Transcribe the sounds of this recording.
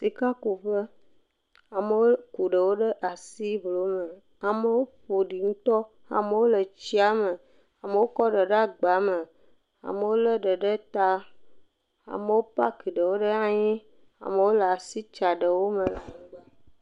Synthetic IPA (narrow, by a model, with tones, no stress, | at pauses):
si˨ka˦ku˨ɸə˦ | a˨mə˨˦wo˦ku˨ɖə˨wo˦ɖə˦ʔa˨si˦blo˨˦mə˨ | a˨mə˦wo˦ɸo˨ɖi˨ŋũ˦t̪ɔ˦ | a̰˨me˨wo˦lə˨t͡ɕi˦a˦mə˨ | a˨me˨wo˦kɔ˦ɖə˨ɖa˦ɡ͡ba˨˦mə˨ | a̰˨mə˨wo˦lə˦ɖə˨ɖə˦t̪a˦ | a̰˨mə˨wo˦pa˦ki˨ɖə˨wo˦ɖə˦ã˦ɲĩ˦ | a̰˨mə˨˦wo˦la˨si˦t͡ʃa˨ɖə˨wo˦mə̃˨la˨ŋũ˦ɡ͡ba˦